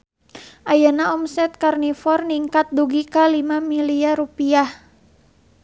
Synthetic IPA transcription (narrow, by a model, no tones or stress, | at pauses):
ʔajanaɔmsɛt̪̚karnifɔrniŋkat̪̚duɡikalimamiliarupiah